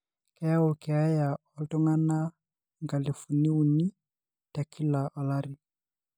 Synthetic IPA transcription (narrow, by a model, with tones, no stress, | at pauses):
kɛ˨ja˦ɔ˦kɛ˨a˦ja˨ | ɔ˨ltɔ˦ŋa˦na˦ | ŋɡa˨li˨fu˨ni˦u˨ni˦ | ta˨kʰi˦la˨ʔɔ˨la˦ɾi˨